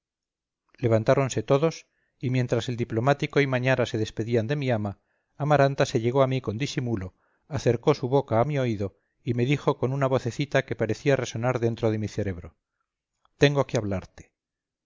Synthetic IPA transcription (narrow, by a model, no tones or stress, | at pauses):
le̞β̞ant̪aɾo̞nse̞t̪o̞ðo̞s | imje̞nt̪ɾase̞ld̪iplo̞mat̪iko̞imaɲaɾase̞ðe̞spe̞ðiand̪e̞miamaː | maɾant̪ase̞ʎe̞ɣ̞o̞amiko̞nd̪isimulo̞ | aθe̞ɾko̞suβo̞kaːmio̞iðo̞ | ime̞ðixo̞ko̞nunaβo̞θe̞θit̪ake̞paɾe̞θiare̞so̞naɾðe̞nt̪ɾoð̞e̞miθe̞ɾe̞βɾo̞ | t̪e̞ŋɡokeaβ̞laɾt̪e̥